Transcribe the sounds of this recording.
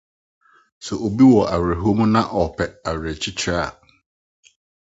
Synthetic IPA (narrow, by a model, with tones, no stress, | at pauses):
sɛ˨o˨bi˦wɔ˨ʔa˨wɾɛ˨ɦu˦o˦mũ˦nã˦ʔɔ˨pʰɛ˨a˨wɛ˨t͡ɕʰi˦t͡ɕʰa˦˨